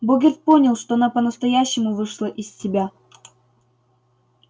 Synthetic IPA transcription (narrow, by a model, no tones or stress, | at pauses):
boɡʲɪrt̪̚po̞nʲɪlˠʂt̪oɐnapənəst̪ɐjæɕːɪmʊvɨʂlˠəʔɪsʲtʲɪbʲa